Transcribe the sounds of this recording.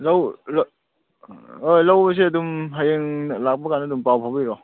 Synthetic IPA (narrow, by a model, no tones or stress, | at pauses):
lawl | ojlawbɐs̬iɐdumɦajeŋlak̚pɐkanadumpawpʰawbiɾɔ